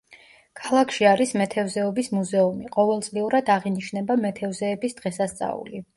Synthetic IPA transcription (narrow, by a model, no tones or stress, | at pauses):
kʰalˠakʰʃiaɾismɛt̪ʰɛvzɛɔbismuzɛumiqʼɔvɛlˠt̪sʼliuɾad̪aʁiniʃnɛbamɛt̪ʰɛvzɛːbisd̪̥ʁɛsast̪sʼa̰ṵli